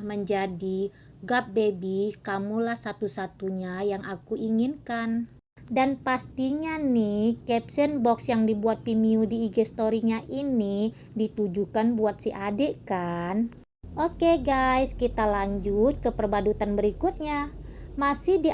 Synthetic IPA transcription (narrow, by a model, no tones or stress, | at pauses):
məɲd͡ʒadi | ɡap̚bebikamulahsat̪usat̪uɲajaŋʔakuʔiŋinkan | danpast̪iɲanihkɛp̚sɛnbɔksjaŋdibuat̪̚pimiudiːɡest̪oɾiɲaʔini | dit̪ud͡ʒukanbuat̪̚siʔadeʔkan | ʔokeɡajskit̪alaɲd͡ʒut̪̚kəpərbadut̪anbəɾikut̪̚ɲamasɪhdi